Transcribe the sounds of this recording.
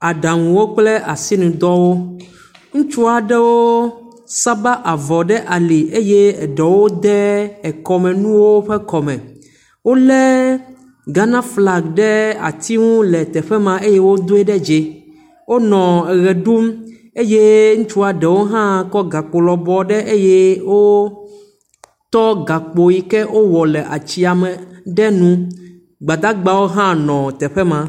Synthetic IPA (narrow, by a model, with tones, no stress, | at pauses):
a˨ɖa˨ŋũ˨wo˦k͡ple˦ʔa˨si˦nũ˨d̪ɔ˦wo˦ | ŋũ˦t͡ʃu˦a˨ɖɛ˦wo˦ | sa˦ba˦ʔa˨vɔ˨ɖɛ˦ʔa˨li˨ʔe˦jɛ˦ɛ˨ɖɛ˨wo˦d̪ɛ˦ɛ˨kɔ˨mɛ̃˨nũ˦wo˦ɸɛ˦kɔ˨mɛ̰̃˨ | wo˦lɛ˦ | ɡa˦nã˦fla˨ɡɖɛ˦a̰˨t̪i˦ŋũ˦lɛ˨t̪ɛ˨ɸɛ˦mã˨e˦jɛ˦wo˦d̪o˦ɛ˦ɖɛ˦d͡ʒe˨ | wo˦nɔ̃˨ɛ˨ɣɛ˨ɖu˦m | e˦je˦ŋũ˦t͡ʃu˦a˨ɖɛ˨wo˦ɦã˦kɔ˦ɡa˨k͡po˨lɔ˨bɔ˨ɖɛ˦ʔe˦jɛ˦wo˦ | t̪ɔ˦ɡa˨k͡po˨ji˦kɛ˦ʔo˦wɔ˨lɛ˨ʔa˨t͡ɕi˦a˨mɛ̃˨ɖɛ˦nũ˦ | ɡ͡ba˨d̪a˦ɡ͡ba˦wo˦ɦã˦nɔ̃˨t̪ɛ˨ɸɛ˦mã˨